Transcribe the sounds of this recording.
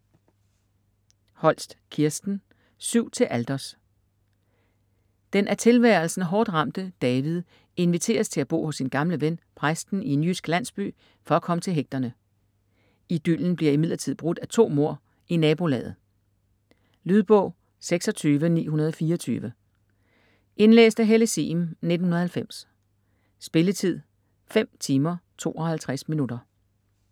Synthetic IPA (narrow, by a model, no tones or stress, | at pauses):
hɒ̽l̰sd̥kʰiɐsd̥n̩ | syʊ̰t͡sʰe̝lʔæld̥ɐs | d̥enʔæɐt͡sʰe̝lʋæɐlsn̩ɦɒːd̥ʁɑ̈m̰d̥əd̥ɛːʋið̞ˠ | e̝nʋit͡sʰe̝̰ːɐst͡sʰe̝æb̥o̝̰ːhɔ̽sːinɡ̥ɑ̈mləʋenpʰʁɑ̈sd̥n̩ienjysɡ̥læn̰sb̥y̰ː | fɒ̽ækʰɒ̽mət͡sʰe̝lɦeɡ̥̚d̥ɐnə | id̥yln̩b̥liɐimið̰ˠɐt͡sʰið̰ˠb̥ʁod̥æt͡sʰo̝̰ːmo̝ɐ̰ | inɛːb̥o̝lɛ̰ːð̩ˠ | lyð̞ˠb̥ɔ̰̽ʊ̰ | seɡ̥sɒ̽t͡sʰyːʋənḭːhunɐð̞ˠɒ̽fiːɐɒt͡sʰy̰ːʋə | ʔe̝nlḛːsd̥æɦeləsḭːmned̥n̩hunɐð̩ˠhælfem̰sː | b̥e̝lət͡sʰið̞̰ˠ | fem̰t͡sʰiːmɐt͡sʰo̝̰ːɒ̽hælt͡sʰʁasminud̥ɐ